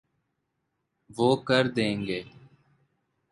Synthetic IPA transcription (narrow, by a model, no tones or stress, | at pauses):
ʋoːkəɾd̪ẽːŋɡeː